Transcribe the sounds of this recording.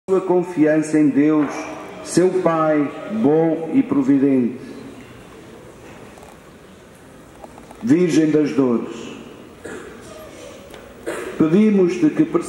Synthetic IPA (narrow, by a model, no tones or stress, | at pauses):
uɐkõfiɐ̃sɐẽj̃d̪ewʃsewpajβõipɾuviðẽnt̪ɨ | viɾʒẽj̃d̪ɐʒðoɾɨʃ | pɨðimuʃt̪ɨkɨpɾs